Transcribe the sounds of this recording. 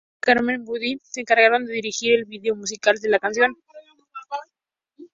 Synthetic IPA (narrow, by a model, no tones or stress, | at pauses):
kaɾmẽ̞mbuðiseːŋkaɾɣaɾo̞nd̪e̞ðiɾixiɾe̞lβiðeo̞mus̬ikald̪e̞lakans̬jo̞n